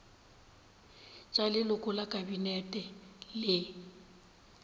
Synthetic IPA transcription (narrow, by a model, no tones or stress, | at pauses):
t͡ʃʼalɪlʊkʼʊlakʼabinɛtʼɛlɪ